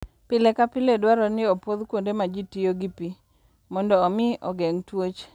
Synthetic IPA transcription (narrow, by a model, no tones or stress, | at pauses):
pɪlɛkapɪledwaɾɔnɪopod̪kwondemad͡ʒitɪjoɡipi | mɔndɔːmɪɔ̰ɡɛŋtwot͡ʃ